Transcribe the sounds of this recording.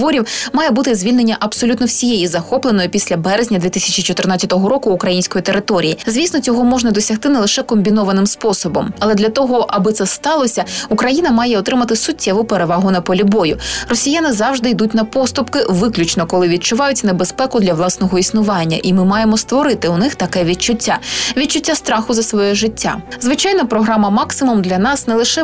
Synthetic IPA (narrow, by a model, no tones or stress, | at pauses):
ʋɔɾʲiwmɑjɛbut̪ɪzʲʋʲilʲne̞nʲːɐʔɐbsɔlʲut̪nɔwsʲijejizɐxɔplˠenɔjʊpʲisʲlʲɐbɛɾezʲnʲɐd̪ʋʲit̪ɪsʲɐt͡ʃit͡ʃɔt̪ɪrnɑtʲt͡sʲɐt̪ɔɦɔɾɔkʊːkɾɐjinʲsʲkɔjit̪eɾɪt̪ɔɾʲijizʋʲisnɔt͡sʲɔɦɔmɔʒnɐd̪ɔsʲɐxt̪ɪnelˠɪʃɛkɔmʲbʲinɔʋɐnɪmspɔsɔbɔmɐlˠɛd̪lʲɐt̪ɔɦɔʔɐbɨt̪sɛst̪ɑlˠɔsʲɐukɾɐjinɐmɑjɛɔt̪ɾɪmɐt̪ɪsʊtʲʰːɛʋʊpeɾe̞ʋɑɦʊnɐpɔlʲibɔjʊrɔsʲijanɪzɑwʒd̪ɪjd̪utʲnɐpɔst̪ʊpkɪʋɪklʲʊt͡ʃnɔkɔlˠɪʋʲid̪̚t͡ʃʊʋɑjʊtʲnebespɛkʊd̪lʲɐʋlˠɑsnɔɦɔisnʊʋɑnʲːɐ̰ʔimɪmɑjemɔst̪ʋɔɾɪt̪ɪʊnɪxt̪ɐkɛʋʲid̚t͡ʃʊtʲːaʋʲid̚t͡ʃʊtʲːast̪ɾɑxʊzɐsʋɔjɛʒɪtʲːa̰zʋɪt͡ʃɑjnɐpɾɔɦɾɑmɐmɑksɪmumd̪lʲɐnɑsnɛlˠɪʃɛ